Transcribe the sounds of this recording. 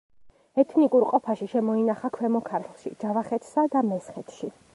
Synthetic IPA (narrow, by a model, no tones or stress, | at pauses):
ɛt̪ʰnikʼuɾqʼɔpʰaʃiʃɛmɔinaχakʰwɛmɔkʰaɾt̪ʰlˠʃḭd͡ʒavaχɛt̪ʰsad̪amɛsχɛt̪ʰʃi